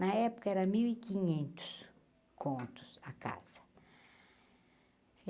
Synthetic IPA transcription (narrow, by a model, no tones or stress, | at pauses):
naɛpʊ̥kɐɛɾɐmiwikĩɲẽnt̪ʊ̥s | kʰõnt̪ʊ̥saka̰z̥ɐ̥